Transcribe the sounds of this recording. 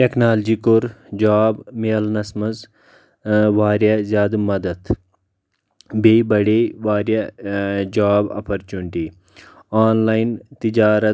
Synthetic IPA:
ʈeknaːld͡ʒiːkʊɾd͡ʒaːbmeːɐlnɐsmɐz | ʋaːɾjazjaːd̪mɐd̪ɐt̪ʰ | bebɐɽeːʋaːɾja | d͡ʒaːbɐ̰pʰɐɾt͡ʃuɳʈiː | aːnlaːint̪id͡ʒaːɾɐ

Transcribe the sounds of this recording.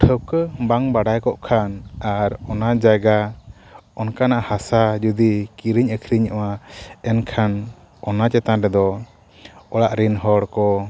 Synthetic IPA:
ʈʰəwkəbaŋbaɖajkɔʔkʰanaɾɔnad͡ʒaɡa | ɔnkanaʔahasad͡ʒud̪ikiɾiɲəkʰɾiɲəwaɛnkʰan | ɔnat͡ʃɛt̪anɾɛd̪ɔ | ɔɽaʔɾinɦɔɽkɔ

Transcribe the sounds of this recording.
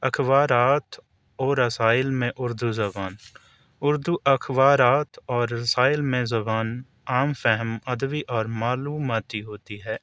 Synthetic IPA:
ɐkʰʋaːɾaːt̪ʰ | ɔːɾːɐsaːɪlmẽʔʊɾd̪uzɐbaːn | ʊɾd̪uʔɐkʰwaːɾaːt̪ʰɔːɾːɐsaːɪlmẽzɐbaːn | aːmfɛɦəmɐd̪ʋiʔɔːɾmaːluːmaːt̪iɦoːt̪iɦɛː

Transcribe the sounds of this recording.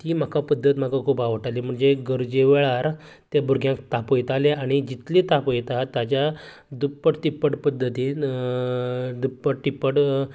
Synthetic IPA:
t̪iːm̤akapəd̪ʱːət̪m̤akakʰuːpaʋəʈalim̤əɳd͡zeɡəɾd͡ʑeʋeɭaɾ | t̪jebuɾɡʱjãkt̪apojt̪aleaɽ̃id͡ʑit̪lit̪apojt̪at̪jat͡ɕja | d̪upːəʈʈ̪ipːəʈpəd̪ʱːət̪iː | d̪upːəɽʈipːəʈ

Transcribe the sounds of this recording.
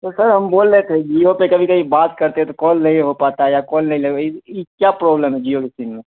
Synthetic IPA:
t̪osəɾɦɐmboːlːet̪ʰed͡ʒiopekɐbʱikəbʱibaːt̪kəɾt̪eɛ̃t̪okɔːlnɐɦĩɦopat̪aɛjakɔ̃ːlnɐɦĩleɡikjapɾɔblemɦɛd͡ʒijokɪsinmẽ

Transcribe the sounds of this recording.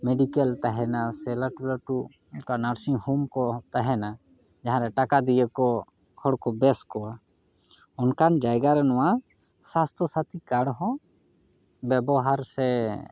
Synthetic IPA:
meɖikɛlt̪aɦɛnasɛlaʈulaʈu | nkanaɾsihumkɔt̪aɦɛna | d͡ʒaɦãɾɛʈakad̪ijəkɔ | kʰɔɽkɔbɛskɔwa | ɔnkand͡ʒajɡaɾɛnɔwa | sast̪ʰɔsat̪ikaɽɦɔ̃ | bɛbɔɦaɾsɛ

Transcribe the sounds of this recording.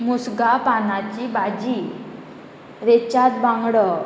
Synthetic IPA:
musɡapanat͡ɕibad͡ʑi | ɾet͡ɕat̪̚bãŋɡɽə

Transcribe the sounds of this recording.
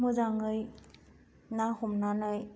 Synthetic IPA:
mɯzaŋɯj | nahumnanɯj

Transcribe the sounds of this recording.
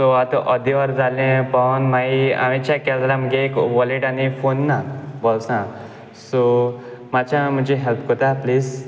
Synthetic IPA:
soat̪ɔʔəd̪iʋəɾd͡zalẽpɔnmaia̰mit͡ɕakɛldɾamɡekʋɔliʈanifonːabɔlsã | somat͡ɕãm̤ə̃d͡ʑiɦelp̚kɔt̪apliːz

